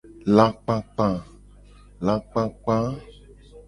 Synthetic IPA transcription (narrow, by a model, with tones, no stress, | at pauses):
la˨k͡pã˧k͡pã˨ | la˨k͡pã˧k͡pã˦